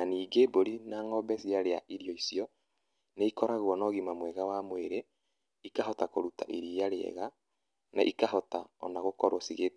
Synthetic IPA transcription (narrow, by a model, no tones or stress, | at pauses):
aniːɡeboɾinaːŋɔbɛsiaɾeaʔiɾijɔisiɔ | neikɔɾaɣwɔnɔɣimamwɛɣawamweɾe | ikaɦɔtakoɾuta̰ʔiɾijaɾeɛ̰ɣa | naʔikaɦɔtaɔ̰naɣokɔɾwɔsiɣe